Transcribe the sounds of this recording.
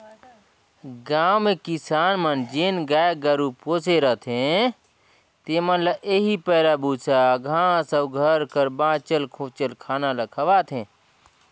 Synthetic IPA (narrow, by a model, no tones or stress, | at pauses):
ɡaːwmekisaːnmənd͡ʒeːnɡaːjɡəɾupoːseɾət̪ʰẽ | t̪emənlaʔeɦipəːɾabusaɡʱãːsəwɡʱəɾkəɾbãːt͡ʃəlkʰõt͡ʃəlkʰaːnaləkʰəʋaːt̪ʰẽ